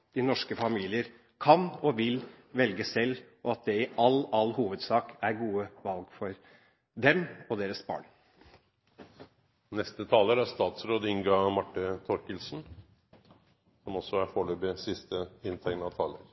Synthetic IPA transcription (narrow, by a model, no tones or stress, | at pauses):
d̪̥ɪnɔʂkəfɑmiːlɪəɾ | kʰɑnɔʋɪl | ʋɛlɡəsɛlː | ɔɑt̪̚d̪ɛɪʔɑlɑlhuːʋəd̪sɑːkæɾɡuːəʋɑlɡfɔɾ | d̪ɛmɔd̪eːɾəsbɑ̰ːɳ | nɛst̪ət̪ʰɑːləɾæst̪ɑːt̪sɾoːd̪ɪŋɡɑmɑʈːət̪ʰɔɾkəlsn | sɔmɔsɔæɾfoːɭøːbɪsɪst̪əɪnt̪ʰɛŋnɑt̪ʰɑːlə̰ɾ